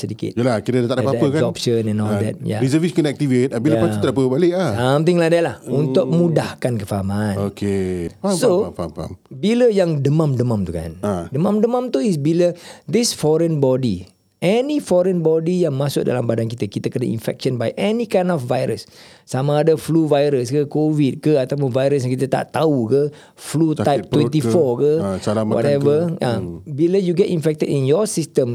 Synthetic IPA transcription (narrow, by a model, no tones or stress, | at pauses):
sədikḭt̪jəlakiɾəat̪aʔdapapəkaɔp̚ʃənɛ̃nɔld̪ɛ̰t̪̚ja̰ɾisəviskɔnɛk̚t̪ivet̪̚abiləat̪adapəbalɪʔaamt̪iŋladajlahunt̪ʊk̚mudahkankəfaɦamãnokesoa̰mbiləjaŋdəmãmdəmãmt̪uka̰ndəmãmdəmãmt̪uis̬biləd̪isfɔɾənbɔdi | ʔɛnifɔɾə̃nbɔdijaŋmãsʊk̚da̰lambadankit̪əkit̪əkənaḭ̃nfɛ̰k̚ʃə̃nbajʔɛnikãjnɔfvajɾəsː | amãːdafluvajɾəskəkovid̚kəat̪ap̬ʊnvajɾəs̬jŋkit̪ət̪a̰ʔt̪aukə | flut̪ajp̚t̪wɛ̃nt̪ifɔkəwɔ̰tɛvəabiləjuɡɛtĩnfɛk̚t̪ədinjɔsist̪ə̃m